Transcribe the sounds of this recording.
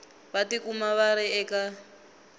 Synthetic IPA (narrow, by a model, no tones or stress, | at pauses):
βatikumaβaɾiɛka